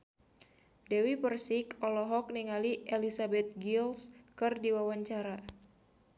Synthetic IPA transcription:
dɛwipərsikɔlɔɦɔk̚niŋaliʔelisabɛt̪̚ɡilskɨrdiwawaɲt͡ʃaɾa

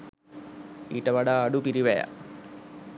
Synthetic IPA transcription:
ḭːʈːɐʋɐɽaːɽupiɾiʋɐja̰

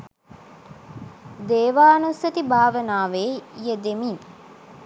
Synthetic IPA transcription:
d̪eːʋaːnusɐt̪ibʱaːʋənaːʋeːijed̪emiːn

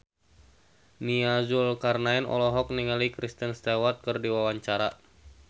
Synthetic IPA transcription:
niazulkarnaɛnɔ̰lɔɦɔk̚niŋalikɾist̪ənst̪ewat̪̚kɨrdiwawaɲt͡ʃaɾa

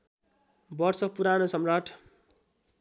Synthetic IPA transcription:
bʌrsʌpuɾanosʌmraʈʰ

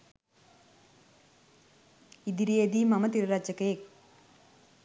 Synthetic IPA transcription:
id̪iɾijed̪imɐmɐt̪iɾɾaːd͡ʒɐkeːk̚

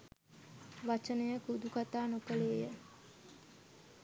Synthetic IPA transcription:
ʋat͡ʃənəjəkud̪ukat̪aːnokəleːjə

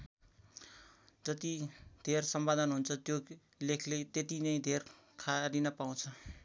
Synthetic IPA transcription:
d͡zʌt̪id̪ʱersʌmbad̪ʱʌnɦunt͡sʰʌt̪jo | lekʰlet̪et̪inʌj̃d̪ʱerkʰaɾinʌpaw̃t͡sʰʌ

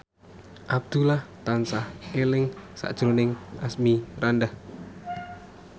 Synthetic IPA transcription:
ʔab̚d̪̥ulaht̪ansahelɪŋsa̰ʔd̥ʒ̥ɾonɪŋʔasmirandah

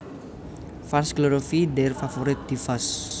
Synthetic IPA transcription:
fansklɔɾofiɖɛrfafoɾɪt̪̚d̪̥ifas

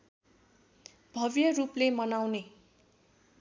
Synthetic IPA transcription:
b̥ʱʌbjʌruplemʌnawne

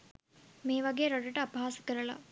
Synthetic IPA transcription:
meːʋaɡeːɾoɽɖəʈəapaːsə̥kəɾəla̰

